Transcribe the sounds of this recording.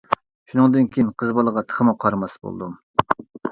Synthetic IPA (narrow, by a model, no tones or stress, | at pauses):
ʃunɨŋd̪ɨnkʲʰejinqʰəzbɑlˠəʁɑt̪ʰə̥χʰəmuqʰɑɾmɑsbo̰l̰ˠd̪um